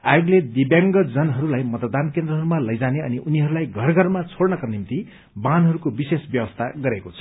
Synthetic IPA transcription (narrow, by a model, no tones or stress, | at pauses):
a̰joɡled̪ibjaŋɡʌd͡zʌnɦʌɾulajmʌt̪d̪ankend̪rʌɦʌɾumalʌjd͡zaneʌ̰niʔuniɦʌɾulajɡʱʌrɡʱʌrmat͡sʰoɽnʌkʌnimt̪i | banɦʌɾukobisesbjʌbʌst̪ʰaɡʌɾekot͡sʰʌ̥